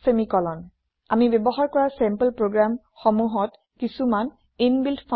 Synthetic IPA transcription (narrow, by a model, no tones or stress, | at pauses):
semikɔlɔn | a̰mibɛbɔxaɹkɔɹasɛmpəlpɹoɡɹam | xɔmuɦɔt | kisuman | inbiltpʰɔ